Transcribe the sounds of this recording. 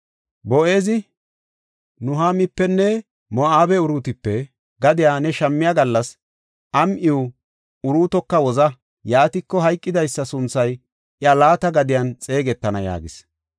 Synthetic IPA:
bɔʔe̞ːzɪ | nʊɦamɪpːɛnːɛ | mɔaːbɛʊɾuːt̪ɪpːɛ | ɡɐd̪ɪjaːnɛʃɐmːɪjaɡɐlːɐs | ʔɐmʔɪʊ | ʊɾuːt̪ɔkːɐwɔzɐ | jaːt̪ɪkːɔɦɐjkʼːɪd̪ɐjsːɐsʊnt͡sːɐj | ɪalaːt̪ɐɡɐd̪ɪjɐnt͡sʼe̞ːɡɛt̪ːɐnɐja̰ːɡɪs

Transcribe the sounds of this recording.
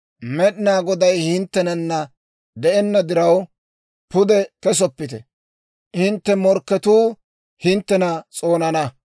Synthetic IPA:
mɛɗɪnaːɡɔd̪ɐjhɪnt̪ːɛnɐnːɐ | d̪ɛʔɛnːɐd̪ɪɾɐw | pʊd̪ɛkɛs̬ɔpːɪt̪ɛ | hɪnt̪ːɛmɔɾkːɛt̪uː | hɪnt̪ːɛnɐt͡sʼo̞ːnɐnɐ

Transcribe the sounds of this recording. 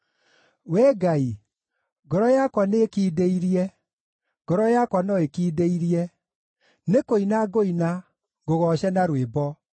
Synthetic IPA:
wɛɡai | ɡɔɾɔjakwaneːkiːdeiɾiɛ | ɡɔɾɔjakwanɔekiːdeiɾiɛ | nekoinaɡoina | ɡoɣɔʃɛnaɾwebɔ

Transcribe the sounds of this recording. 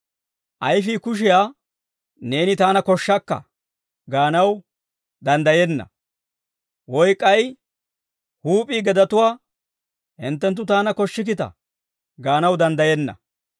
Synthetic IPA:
ʔɐjfiːkʊʃ̬ɪjaː | ne̞ːnɪt̪aːnɐkɔʃːɐkːɐ̰ | ɡaːnɐw | d̪ɐnd̪ɐjɛnːɐ̰ | wɔjkʼːɐj | huːpʼiːɡɛd̪ɐt̪ʊwaː | hɪ̰nt̪ːɛnt̪̬ːʊt̪aːnɐkɔʃːɪk̬ɪt̪ɐ̰ | ɡaːnɐwd̪ɐnd̪ɐjɛnːɐ̰

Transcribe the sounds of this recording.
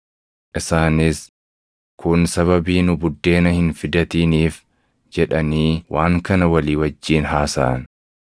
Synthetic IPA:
ʔɪsaːnɪs | kʊnsɐβɐbiːnʊbʊd̪ːe̞ːnɐhɪnfɪd̪ɐt̪iːniːf | d͡ʒɛᶑɐniːwʔaːŋkɐnɐwɐliːwɐd͡ʒːiːnɦaːsa̰ːn

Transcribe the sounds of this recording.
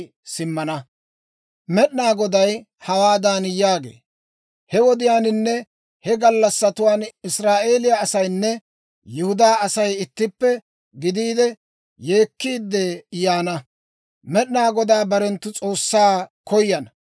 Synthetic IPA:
sɪmːɐnɐ | mɛɗnaːɡɔd̪ɐj | hɐwaːd̪aːnjaːɡḛː | hɛwɔd̪ɪjaːnɪnːɛ | hɛɡɐlːɐsːɐt̪ʊwaːnɪsɾaːʔe̞ːlɪjaːsɐjnːɛ | jɪhʊd̪aːɐsɐjɪt̪ːɪpːɛ | ɡɪd̪iːd̪ɛ | je̞ːkːiːd̪ːɛjaːnɐ | mɛɗɪnaːɡɔd̪aːbɐɾɛnt̪ːʊt͡sʼo̞ːsːaːkɔjːɐnɐ

